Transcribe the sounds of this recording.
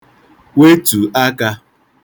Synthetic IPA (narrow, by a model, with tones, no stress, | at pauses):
we˦tu˨a˦ka˦